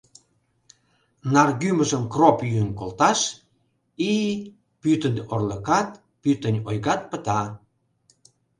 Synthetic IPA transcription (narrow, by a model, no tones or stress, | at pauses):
nɑrɣyməʒəmkropjyənkolt̪ɑʃ | i | pyt̪ənʲorləkɑt̪ | pyt̪ənʲojɣɑt̪̚pə̆t̪ɑ